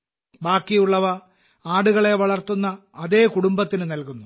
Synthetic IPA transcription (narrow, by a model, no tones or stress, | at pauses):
baːkːijuɭːɐʋɐ | aːɽuɣɐɭe̞ʋɐɭɐrt̪ːunːɐː | ðe̞ːkuɽumbɐt̪ːinɨnɐlkunːu